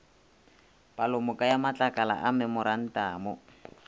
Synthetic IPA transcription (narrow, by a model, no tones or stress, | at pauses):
palʊmʊkʼajamat͡ɬʼakʼala̰ʔamɛmʊɾan̩taːmʊ